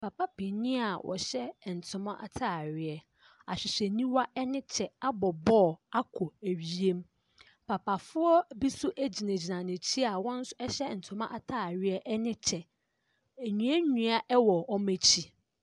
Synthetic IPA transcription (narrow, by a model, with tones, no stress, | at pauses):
pʰa˨pa˦pʰe˨nĩ˦a˨wʔɔ̰˨ɕɛ˦˨n̩˨tʰʊ̃˨mã˦ʔa̰˨tʰaː˦˨ɾɪ˦ɛ˦ | a˨ɕᶣɪ˨ɕɛ˨nĩ˦wa˦ɛ˦nɪ̃˦t͡ɕʰɛ˨a˦bɔ˨bɔ˦˨a˦kʰɔ˨æ˨ɥi˦e˦m˦ | pʰa˨pa˨fʊ˦ɔ˦bi˦sʊ˦ʔæ˦d͡ʑi˨nã˨d͡ʑi˨nã˨nɪ̃˨t͡ɕʰi˦a˨wɔ̃˦n̩˦sʊ˦ɛ˦ɕɛ˦n̩˨tʰʊ̃˨mã̰˦ʔa˨tʰaː˦˨ɾɪ˦ɛ˦ʔɛ˦nɪ̃˦t͡ɕʰɛ˨ | æ˨ɲũ˨a˦ɲũ˨a˦ʔɛ˦wɔ˨ɔ˦mæ̃˨t͡ɕʰi˦